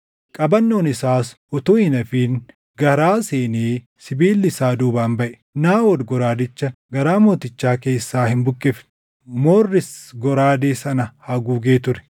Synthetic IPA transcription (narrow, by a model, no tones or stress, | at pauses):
kʼɐbɐnːo̞ːnɪsaːsʔɔt̪oːɪnɐfiːŋ | ɡɐɾaːseːneː | sɪbiːlːɪsaːd̪uːbaːnbɐʔɛ̥ | naːwɔɾɡɔɾaːd̪ɪt͡ʃːɐɡɐɾaːmo̞ːt̪ɪt͡ʃːaːke̞ːsːaːhɪmbʊkʼːɛf | mo̞ːrːɪsɡɔɾaːd̪eːsɐnɐhɐɡuːɡe̞ːt̪ʊɾɛ̥